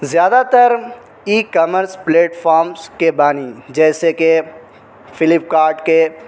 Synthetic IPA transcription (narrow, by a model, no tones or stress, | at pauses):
zjaːd̪at̪əɾ | iːkɐməɾspleːʈfʰɔːɾmzkebaːnid͡ʒɛːseke | fɪlɪpkaːɾʈke